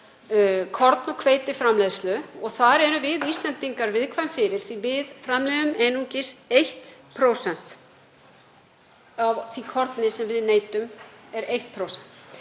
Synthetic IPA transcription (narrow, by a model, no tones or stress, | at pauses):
kʰɔɾt̪nɔkʰveːjt̪ɪfɾamlɛːðslʏɔɣθaɾɛɾʏvɪðiːst̪lɛnt̪iŋkaɾvɪðkʰvajmfɪɾɪɾ̥θivɪðfɾamlɛːðʏmɛnuɲcɪsejht̪pʰɾoːwsɛn̥t̪ | avθikʰɔɾt̪nɪsɛmvɪðneːjt̪ʏmɛɾejht̪̚pʰɾowsɛn̥t̪